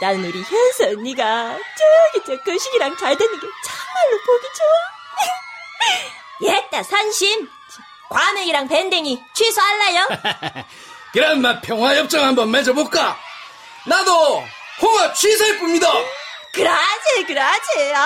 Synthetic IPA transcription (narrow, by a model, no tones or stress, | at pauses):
nanɯnoɾiçjʌnsʰɯɲːiɡat͡ɕɯɡit͡ɕ͈ek͈ɯɕʰiɡiɾaŋt͡ɕaɭdwenːɯnɡet͡ɕamaɭːopoɡid͡ʑo | jet͈asʰanɕʰim | kwameiɾaŋpendeŋit͡ɕʰwisʰoaɭːajo | kɯɾʌnmapʰjʌŋɦwajʌp̚t͡ɕ͈ʌŋɦambʌnmad͡ʑʌbok͈a | nado | hoɡat͡ɕʰwisʰʌip͈umɲidakɯɾad͡ʑekɯɾad͡ʑe